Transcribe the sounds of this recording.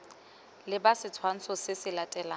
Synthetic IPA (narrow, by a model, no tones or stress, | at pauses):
lɪbasɪt͡sʰwan̩sɔsɪsɪlatʼɛlaː